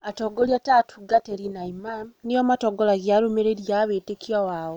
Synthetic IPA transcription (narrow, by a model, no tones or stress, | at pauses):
atɔɡɔljatatʰuɡateɾinaimamnejɔmatɔɡɔlaɣjaɾomeɾeɾjaːwetekjawaːɔ